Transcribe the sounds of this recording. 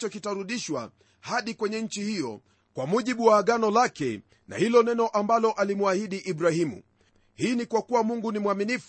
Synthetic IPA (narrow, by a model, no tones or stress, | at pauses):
t͡ʃɔkitaɾuɗiʃwa̰ | haɗikwɛɲɛɲ̩t͡ʃihijɔ̰ | kwamuʄiɓuwaːɠanɔlakɛ̰ | na̰hilɔnɛnɔʔambalɔʔalimwahiɗiʔiɓɾahimṵ | hiːnikwakuwamuŋɡunimwaminif